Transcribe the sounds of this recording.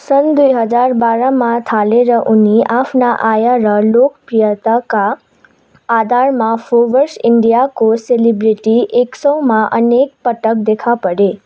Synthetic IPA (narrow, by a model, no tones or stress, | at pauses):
sənd̪ujɦəd͡ʒaɾbaɾamãt̪ʰaleɾəʔuniʔapnaʔajaɾəlokpɾijət̪akaː | d̪ʱaɾmãfoʋəɾsɪɳɖijakoselibɾiʈiʔeksɔwmãʔənek̚pəʈək̚d̪ekʰapəɽe